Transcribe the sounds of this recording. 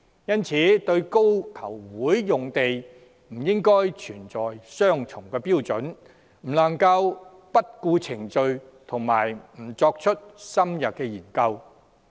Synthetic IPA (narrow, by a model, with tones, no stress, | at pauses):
jɐ˥nt͡sʰiː˨˥t̪ɵ˧ɥko˥wt̪ʰɐ˨˩wwuː˨˥jːʊ˨ŋt̪e˨j | m̩˨˩jɪ˥ŋkɔː˥jt͡ʃʰyː˨˩nt͡sɔː˨jsœː˥ŋt͡sʰʊ˨˩ŋkɛː˧piː˥wt͡sɵ˨˥n | m̩˨˩lɐ˨˩ŋkɐ˧w | pɐ˥t̚kuː˧t͡sʰɪ˨˩ŋt͡sɵ˧ɥ | t̪ʰʊ˨˩ŋmaː˨˩jm̩˨˩t͡sɔː˧k̚t͡ʃʰɵ˥t̚sɐ˥mjɐ˨t̚kɛː˧jiː˨˩nkɐ˧w